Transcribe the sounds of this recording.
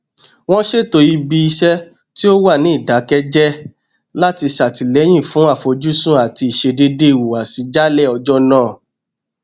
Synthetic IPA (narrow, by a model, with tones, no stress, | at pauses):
w̃ɔ̃˦ʃe˦to˧ji˧bi˧i˧ʃɛ˦ | ti˦o˦wa˦˨nĩ˨˦i˦˨da˨˦kɛ˦d͡ʒɛ˦ | la˦ti˧sa˨ti˨lɛ˨˦j̃ĩ˦˨fũ˨˦a˦˨fo˧d͡ʒu˦sũ˦a˨ti˧˦i˨ʃe˧de˧de˦i˦˨wu˨a˨si˨˧˦d͡ʒa˦lɛ˦˨ɔ˧d͡ʒɔ˦nãː˦˨